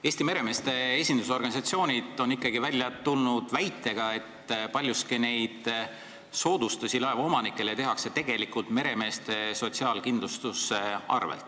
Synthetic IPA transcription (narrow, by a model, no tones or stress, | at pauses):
eːsʲt̪ime̞ɾe̞me̞ːst̪e̞esʲind̪̥uso̞rɡɑnʲisɑt̪sio̞ːnʲid̪̥o̞nikˑːɑɡ̥ivælʲjɑt̪ulnud̪̥væjt̪ːˑe̞ɡ̥ɑe̞t̪ːpɑlʲjuskine̞jd̪̥ | so̞ːd̪̥ust̪usʲilɑe̞vɑo̞mɑnikːˑe̞let̪e̞ɦɑkse̞t̪e̞ɡ̥e̞likult̪me̞ɾe̞me̞ːst̪e̞so̞t̪siɑːlkind̪lust̪useɑ̰rvḛlt̪ːˑ